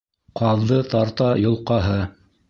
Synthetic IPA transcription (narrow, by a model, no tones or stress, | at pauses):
qɑðˠðɤt̪ɑɾt̪ɑjŏlˠqɑɦɤ